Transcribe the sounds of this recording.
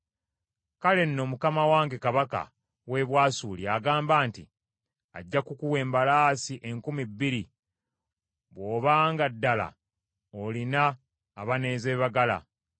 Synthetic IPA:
kale̞nːo̞mukamawaːŋɡe̞kaβaka̰ | we̞βwaːsuːliaɡaːmbaːnti | a̰ɟːakukuwe̞ːmbalaːsiʔeŋkumibːiɾi | βwo̞ːβaːŋɡadːala̰ | olinaː | βane̞ːze̞ːβaɡala̰

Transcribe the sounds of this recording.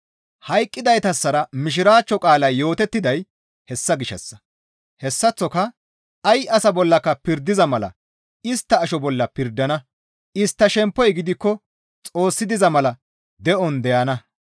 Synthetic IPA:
hɐjkʼːɪd̪ɐjt̪ɐsːɐɾɐmɪʃ̬ɪɾaːt͡ʃːɔkʼaːlɐjjo̞ːt̪ɛt̪ːɪd̪ɐj | hɛsːɐɡɪʃɛ̰sːɐ̥ | hɛsːɐt͡sːɔkɐ | ɐjʔɐsɐbɔlːɐkːɐpɪɾd̪ɪzɐmɐlɐ̰ | ɪst̪ːɐːʃɔbɔlːɐpɪɾd̪ːɐnɐ | ɪst̪ːɐʃɛmpːɔjɡɪd̪ɪkːɔ | t͡sʼo̞ːsːɪd̪ɪzɐmɐlɐ | d̪ɛʔɔnd̪ɛjɐnɐ

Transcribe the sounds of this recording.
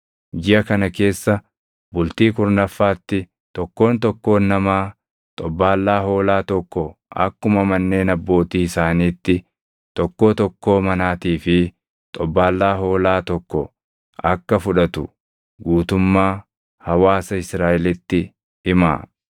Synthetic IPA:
d͡ʒɪɐkɐnɐke̞ːsːɐ | bʊlt̪iːkʊɾnɐfːaːt̪ːɪ | t̪ɔkːo̞ːnt̪ɔkːo̞ːnːɐmaː | t̪ʼɔbːaːlːaːɦo̞ːlaːt̪ɔkːɔʔɐ̰kːʊmɐmɐnːe̞ːnɐbːo̞ːt̪iːɪsaːniːt̪ːɪ | t̪ɔkːo̞ːt̪ɔkːo̞ːmɐnaːt̪iːfɪ | t̪ʼɔbːaːlːaːɦo̞ːlaːt̪ɔkːɔ | ɐkːɐfʊᶑɐt̪ʊ | ɡuːt̪ʊmːaː | hɐwaːsɐɪsɾaːʔɛlɪt̪ːɪ | ɪma̰ː

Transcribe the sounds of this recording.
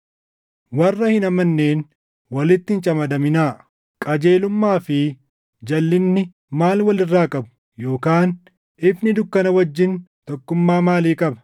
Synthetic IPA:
wɐrːɐhɪnɐmɐnːe̞ːn | wɐlɪt̪ːɪɪnt͡ʃʼɐmɐd̪ɐmɪnaː | kʼɐd͡ʒe̞ːlʊmːaːfɪ | d͡ʒɐlːɪnːɪ | maːlwɐlɪrːaːkʼɐbʊ̥ | jo̞ːkaːn | ɪfnɪd̪ʊkːɐnɐwɐd͡ʒːɪnt̪ɔkːʊmːaːmaːliːkʼɐbɐ̥

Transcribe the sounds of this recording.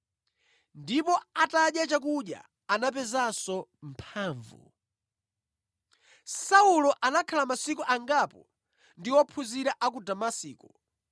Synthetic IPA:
ndipɔataɗjat͡ʃak̬uɗja̰ | anap̬ɛzasɔm̩pʰaːɱvṵ | saulɔʔanakʰalamasikɔʔaŋɡapɔ | ndiwɔpʰuziɾaʔak̬udamasiːkɔ

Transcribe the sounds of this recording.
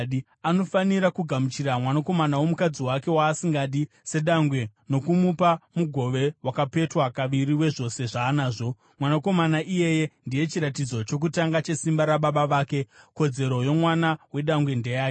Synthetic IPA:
ɗi | ano̞faniɾakuɡʱamut͡ʃiɾamwanako̞manawo̞mukad͡ziwake̞waːsiŋɡaɗi | se̞ɗaŋɡwe̞no̞kumupamuɡʱo̞ʋe̞wakape̞twakaʋiɾiwe̞ʐo̞se̞ʐaːnaːʐo̞ | mwanako̞manaʔije̞je̞ndije̞t͡ʃiɾatid͡zo̞t͡ʃo̞k̬utaŋɡat͡ʃe̞simbaɾaɓaɓaʋaːke̞ko̞d͡ze̞ɾo̞jo̞mwanawe̞ɗaŋɡwe̞ndejaː

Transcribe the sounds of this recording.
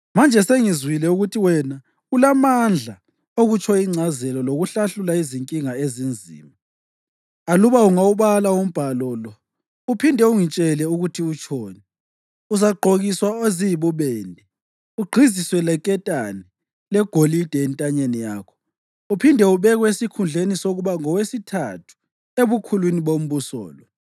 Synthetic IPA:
mand͡ʒʱɛseŋizwilɛuɣutʰiwɛna | ulamand͡ɮʱa | oɣut͡ʃʰʼɔiŋ͡ǀʱazɛlɔloɣuɬaɬulaiziŋkʼiŋaezind͡zʱḭːma | aluβauŋauβalaum̩b̥ʱalɔlɔ | upʰindʱɛuŋit͡ʃʼɛlɛuɣutʰiut͡ʃʰʼoːni | uzaɡ͡ǃʱoɣiswaoziiβuβɛːndʱɛ | uɡ͡ǃʱiziswɛlɛkʼɛtʼanɛ | lɛɡ̥ʱolid̥ʱɛɛntʼaɲenija̰ːkʰɔ̥ | upʰindʱɛuβɛɣwesikʰund͡ɮʱenisoɣuβaŋɔwesitʰatʰu̥ | eβukʰulwiniβom̩βusɔ̰ːlɔ

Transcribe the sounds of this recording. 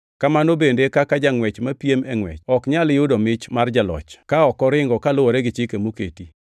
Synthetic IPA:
kamanobendekakad͡ʒaŋwɛt͡ʃmapiemɛŋwɛ̰t͡ʃɔkɲaljʊdɔmɪt͡ʃmard͡ʒalɔ̰t͡ʃkaɔkɔɾɪŋɡɔkalʊwɔɾɛɡɪt͡ʃɪkemokḛti

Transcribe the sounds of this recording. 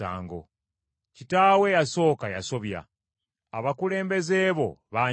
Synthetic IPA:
a̰ːŋɡo̞̰ | citaːwe̞jaso̞ːkaja̰so̞βja̰ː | βakule̞ːmbe̞ze̞ːβo̞̰βa

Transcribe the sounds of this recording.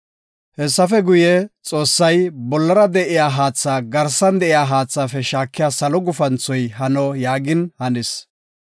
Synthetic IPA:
hɛsːɐfɛɡʊjɛt͡sʼo̞ːsːɐjbɔlːɐɾɐd̪ɛʔɪjaːɦaːt͡sːaːɡɐɾsɐnd̪ɛʔɪjaːɦaːt͡sːaːfɛʃaːkːɪjaːsɐlɔɡʊfɐnt͡sːɔjɦɐnɔjaːɡɪnhɐnɪs

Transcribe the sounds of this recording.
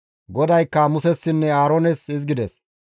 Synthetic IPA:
ɡɔd̪ɐjkːɐmʊsɛsːɪnːɛaːɾoːnɛsɪzɡɪd̪ɛs

